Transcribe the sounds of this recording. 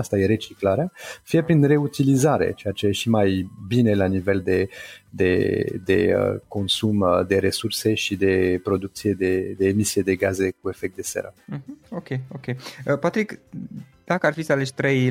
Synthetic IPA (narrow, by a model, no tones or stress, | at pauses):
ast̪aje̞ɾe̞t͡ʃiklaɾeafije̞pɾinre̞ut̪ilizaɾe̞̰t͡ʃe̞jat͡ʃe̞jeʃimajbine̞lanive̞ld̪e̞d̪e̞̰d̪e̞̰ə̰ko̞nsumd̪e̞ɾe̞surse̞ʃid̪e̞pɾo̞d̪uk̚t̪sije̞d̪e̞d̪e̞ːmisije̞d̪e̞ɡaze̞k̚ue̞fek̚t̪̚d̪e̞sḛɾə̰ɦ̩okʲejokʲejəpat̪ɾik | d̪̥akəarfit̪sʲaleʃt̪ɾej